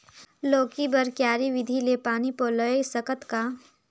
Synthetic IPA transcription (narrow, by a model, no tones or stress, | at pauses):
loːkibəɾkjaːɾiʋɪd̪ʱilepaːnipoːləesəkət̪ka